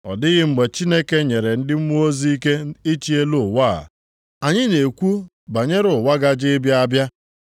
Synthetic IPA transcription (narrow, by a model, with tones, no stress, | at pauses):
ɔ̰˨dɪ˦ɣɪ˦ŋ͡m̩˨ɡ͡be˨t͡ʃi˦ne˦ke˦ɲe˨ɾe˨n̩˦dɪ˦m̩˦mu˦o˦zi˦i˦ke˦i˦t͡ʃi˦e˦lʊ˦˨wa̰˦˨ | a˨ɲɪ˦ne˨kʷu˦ | ba˨ɲe˦ɾʊ˨wa˦ɡa˦d͡ʒɪ˦bja˦a˦bja˦